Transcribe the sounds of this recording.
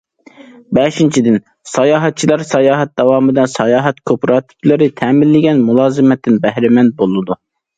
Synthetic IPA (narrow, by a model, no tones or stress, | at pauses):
bɛʃint͡ʃʰid̪ɪn | sɑjɑːɦɛt̪̚t͡ʃʰilˠɑɾsɑjɑːɦɛt̪̚d̪̥ɑwɑːmɨd̪ɑnsɑjɑːɦɛt̪kʰøpɾɑt̪ʰɪ̥kʲlˠɨɾɨt̪ʰɛːmɪlːɪɡʲɛnmulˠɑːzɨmɛt̪ʰːɪnbɛhɾɪmɛn̚bolˠɨd̪u